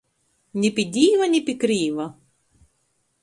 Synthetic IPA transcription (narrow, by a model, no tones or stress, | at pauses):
nʲipʲidʲijʋɐnʲipʲikɾijʋɐ